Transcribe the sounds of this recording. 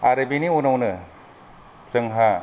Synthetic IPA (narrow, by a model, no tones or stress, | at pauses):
aɾɯbiniunawnɯ | sɯŋɦa